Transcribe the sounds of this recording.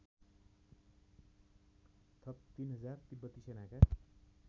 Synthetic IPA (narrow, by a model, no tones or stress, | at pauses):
t̪ʰʌp̚t̪inɦʌd͡zart̪ibʌt̪ːisenaka